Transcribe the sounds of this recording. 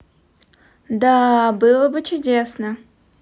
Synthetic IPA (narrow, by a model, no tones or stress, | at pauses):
d̪abɨlˠəbɨt͡ɕʊdʲesnə